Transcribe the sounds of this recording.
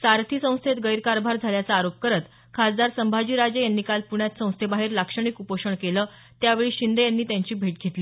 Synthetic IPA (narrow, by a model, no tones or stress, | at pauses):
saɾt̪ʰiːsə̃w̃st̪ʰet̪ɡəjɾkaɾbʱaɾd͡zʱaljat͡səːɾop̚kəɾət̪ | kʰasd̪aɾsəmbʱad͡ʑiːɾad͡ʑəjanːiːkalpuɳjat̪sə̃w̃st̪ʰebaɦiːɾlakʂəɳ̃ikupəʂəɳkelə | t̪jaʋeɭiːɕind̪ejanːiːt̪jãɲt͡ɕiːbʱeʈ̚ɡʱet̪liː